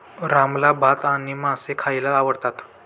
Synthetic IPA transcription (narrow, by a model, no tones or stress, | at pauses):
ɾamlabʱat̪añimasekʰajlaːʋəɽt̪at̪